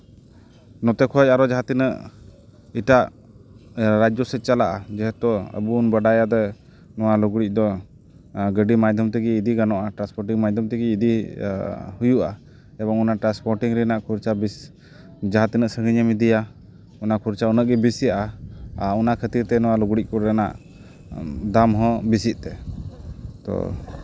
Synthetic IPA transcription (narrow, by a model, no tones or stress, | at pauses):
nɔt̪ɛkʰɔt͡ʃaɾɔd͡ʒaɦat̪inəʔ | iʈaʔ | ɾad͡ʒɔsɛt̪̚t͡ʃalaʔad͡ʒɛɦɛt̪ɔə̰bunbəɖajad̪ɛ | nɔwaluɡɽic̚ˀd̪ɔ | ɡəɖimajd̪ʱɔmt̪ɛɡiːd̪iɡanɔʔaʈɾaspɔɾʈiŋmajd̪ʱəmt̪ɛɡiːd̪i | hujuʔa̰ | ɛbɔŋɔnaʈɾanspɔɾʈiŋɾɛnaʔkʰuɾt͡ʃabis | d͡ʒaɦat̪inəʔsəŋəɲɛmid̪ija | ɔnakʰuɾt͡ʃaunəʔ̚ɡɛbisijaʔaaunakʰət̪iɾt̪ɛnɔwaluɡɽic̚kɔɾɛna̰ʔ | d̪amɦɔ̃bisit̪̚ˀt̪ɛ | t̪ɔ̰